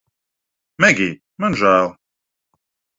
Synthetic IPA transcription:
mæɡi | mænʒæl

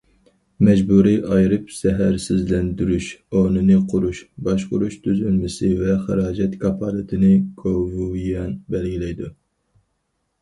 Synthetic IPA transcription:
mɛd͡ʒbuɾiʔɑjɾɨpsɛɦæɾsɪzlɛnd̪yɾyʃonɨnɨqʰʊɾuʃbɑʃqʊɾuʃt̪ʰyzynmɪsɪvɛχɨ̰ɾɑːd͡ʒɛt̪kʰɑpʰɑːlɨt̪ʰɪnɪɡ̥ʰovujɛnbɛlɡʲilɛjd̪u

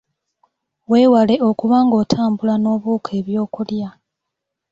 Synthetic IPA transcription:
we̞ːwale̞o̞kuβaːŋɡo̞ːtʰaːmbulano̞ːβuːkʰe̞ːβjo̞ːkulja

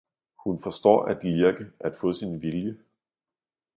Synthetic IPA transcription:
hunfɒ̽sd̥ɒ̰ːæd̥ʋiɐɡ̥əʔæd̥fɔ̰̽ːsinʋiljə

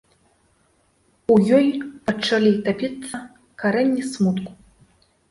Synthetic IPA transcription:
ujɔjpaʈ͡ʂʰalʲit̪apʲit͡sʼːa | kʰaɾɐnʲːismut̪kʷʼ

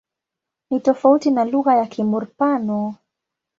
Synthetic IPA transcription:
nitɔfautinaluɣajakimuɾpanɔ

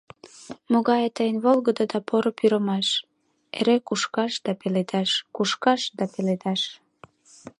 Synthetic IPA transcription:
moɣɑjet̪əjənβolɣəd̪od̪ɑpʰoɾopyɾəmɑʃ | ḛɾekuʃkɑʃd̪ɑpeled̪ɑʃkuʃkɑʃd̪ɑpeled̪ɑʃ

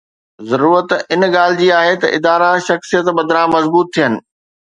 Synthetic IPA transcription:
zɐɾuːɾət̪ɪnɠaːl̤ɪd͡ʑiːaːɦet̪ɐ̰ʔɪd̪aːɾaʃɐxsijət̪bɐd̪ʱɾãːmɐzbuːt̪ʰːijənɪ̆

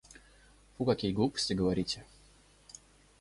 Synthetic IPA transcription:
pʊkɐkʲijɡlˠupə̥sʲtʲɪɡəvɐɾʲitʲɪ

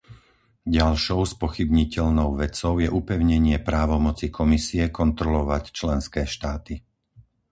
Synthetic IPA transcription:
ɟalʃɔʊspɔxibɲicɛʎnɔʊʋɛt͡sɔʊjɛʔupɛʊɲɛɲɪɛpɾaːʋɔmɔt͡sikʰɔmisiɛkɔnt̪ɾɔlɔʋact͡ʃlɛnskɛːʃt̪aːt̪i

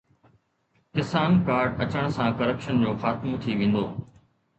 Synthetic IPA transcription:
kɪsaːnkaːɾɖɐt͡ɕəɽ̃sãkɐɾəpʃənd͡ʑoːxaːt̪mot̪ʰiʋẽːn̆d̪oː

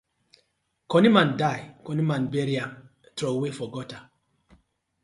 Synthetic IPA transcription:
kɔnimãndajkɔnimanbɛɾiam | tɾɔwefɔɡɔta

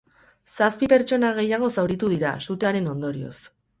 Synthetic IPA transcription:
saspipe̞ɾt͡ʃo̞naɣ̞e̞jaɣ̞o̞sawɾit̪uðiɾa̰sut̪eaɾe̞no̞nd̪o̞ɾio̞̰s

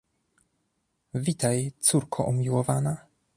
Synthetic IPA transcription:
vʲit̪ajt̪suɾkʰɔʔumʲiwɔvana

